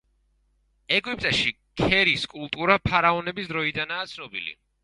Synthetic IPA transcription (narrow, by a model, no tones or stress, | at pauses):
ɛɡip̚ʼt̪ʼaʃi | kʰɛɾiskʼulˠt̪ʼuɾapʰaɾaɔnɛbisd̪ɾɔid̪anaːt̪sʰnɔbḭlḭ